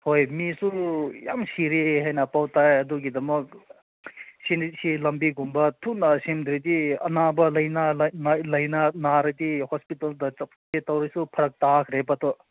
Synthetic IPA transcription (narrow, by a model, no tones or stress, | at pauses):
hojmisuja̰msiɾeɦajnɐpawt̪ajɐd̪uɡid̪ɐmɐk̚ | sinisilɐmbiɡumbɐtʰunasimd̪ɾid̪iɐ̰nabɐlɐjnalnalɐjnanaɾɐd̪ihɔspitɐld̪ɐ | tet̪awɾisupʰɐɾɐk̚takʰɾepɐt̪ɔ